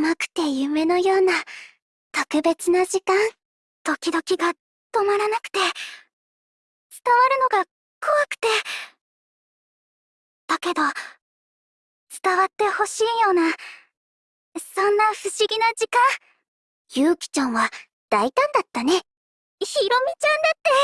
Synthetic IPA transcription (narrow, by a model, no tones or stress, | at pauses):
makɯ̟̥t̪e̞jɯ̟me̞no̞jo̞ːna | t̪okɯ̟be̞t͡sɨnaʑikãn | t̪o̞kʲid̪o̞kʲiɡa | t̪o̞maɾanakɯ̟̥t̪e̞ | t͡sɨ̥t̪aβaɾɯ̟no̞ɡa | kʰoβakɯ̟̥t̪e̞ | d̪̥ake̞d̪o̞ | t͡sɨ̥t̪aβat̪ːe̞ho̞ɕiːjo̞ːna | sõ̞nːaɸɯ̟ɕiɡʲinad͡ʑikã | jɯ̟ːkʲi̥t͡ɕõɰ̃βa | d̪̥ait̪ãnd̪at̪ːane̞ | çiɾo̞mʲit͡ɕãnd̪at̪ːe̞